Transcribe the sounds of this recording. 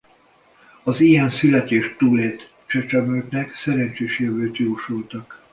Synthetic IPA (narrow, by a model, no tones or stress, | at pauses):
ɒzijɛnsylɛt̪eːʃt̪uːleːt̪ | t͡ʃɛt͡ʃɛmølt̪nɛksɛɾɛnt͡ʃeːʃjøvøːt̪jouʃult̪ɒk